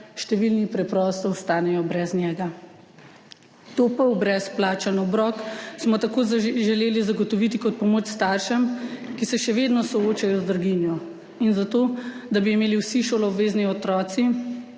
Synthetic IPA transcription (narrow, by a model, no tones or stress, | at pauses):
ʃt̪ɛʋilnipɾɛpɾɔːst̪ɔɔst̪aːnɛjɔbɾɛznjɛːɡa | t̪opəwbɾɛsplaːt͡ʃanɔɔbɾɔːksmɔt̪akoːʒɛleːlizaɡɔt̪ɔʋiːt̪ikɔt̪̚pɔmoːt͡ʃst̪aːɾʃɛmkisɛʃɛʋeːd̪nɔsɔoːt͡ʃajɔzd̪ɾɡinjɔ | inzat̪oːd̪abiːmeːliwsiʃoːlɔɔbʋeːzniɔt̪ɾɔːt̪si